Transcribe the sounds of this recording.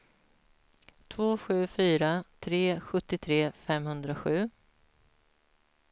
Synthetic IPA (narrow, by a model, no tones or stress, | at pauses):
t̪ʰvoːɧʉ̟ːfyːɾat̪ʰɾeːɧɵt̪ːɪt̪ʰɾeːfɛmhɵnd̪ɾaɧʉ̟ː